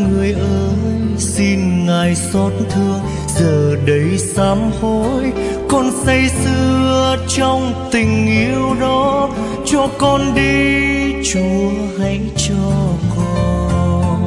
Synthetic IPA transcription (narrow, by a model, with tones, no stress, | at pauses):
ŋɨ˨˩əjʔəː˨˦j | si˧nŋaː˨˩jsɔ˨˦t̚nt̪ʰɨ˧əŋ | zəː˨˩ɗə˨˦jsaː˨˦mho˧˥j | kɔ˧nsə˧jsɨ˧ət͡ɕɔ˧wŋ͡mt̪ï˨˩ŋ̟ʔi˧˦əwɗɔ˨˦ | t͡ɕɔ˧kɔ˧nɗi˧t͡ɕu˨˦ | ha˧˦jt͡ɕɔ˧kɔ˧n